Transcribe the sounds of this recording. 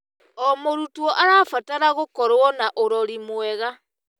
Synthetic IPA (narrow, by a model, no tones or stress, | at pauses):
ɔmoɾutwɔʔaɾafataɾaɣokɔɾwɔnaʔoɾɔɾimwɛɣa